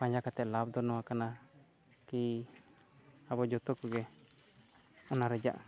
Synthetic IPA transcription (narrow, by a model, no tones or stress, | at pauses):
paɲd͡ʒakat̪ɛʔlab̚d̪ɔnɔwakana | ki | abɔd͡ʒɔt̪ɔkɔɡɛ | ɔnaɾɛd͡ʒa̰ʔ